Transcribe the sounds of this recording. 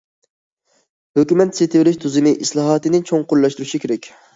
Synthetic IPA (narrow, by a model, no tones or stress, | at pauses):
høkʲymɛt̪set̪ʰɪvɪɾɪʃt̪ʰuzɨmɪʔislˠɑɦɑt̪ɨnɪt͡ʃʰoŋqʊɾlˠɑʃt̪uɾuʃikʲʰeɾɛkʲ